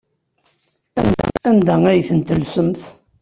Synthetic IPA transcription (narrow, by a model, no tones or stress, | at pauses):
æ̰nd̪æ̰ænd̪ææjθənt̪əlsəmθ